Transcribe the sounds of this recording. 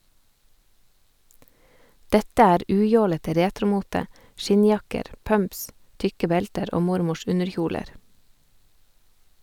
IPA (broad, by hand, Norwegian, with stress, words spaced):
ˈdɛtə ˈæːɾ ˈʉːˌjoːlətə ˈɾeːtɾʊˌmuːtə ˈʃɪnˌjɑkəɾ ˈpœmps ˈtʏkə ˈbɛltəɾ ˈoː ˈmʊɾmʊʃ ˈʉnəɾˌçuːləɾ